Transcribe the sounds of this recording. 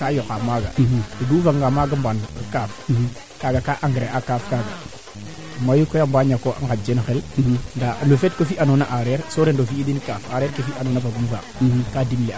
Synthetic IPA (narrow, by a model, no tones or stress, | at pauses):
kajokamaːɡa̰toduːfaŋɡamaːɡambankaːf | kaɡakaʔaŋɡɾeʔakaːfkaɡa | majukɔjambaɲakoʔa̰ŋɡad͡ʒenxɛlndaməfɛtkofiʔanonaʔaɾɛɾsoɾendofiidinkaːfaɾɛːɾkefiʔanoːnafaɡunfakaːdimlea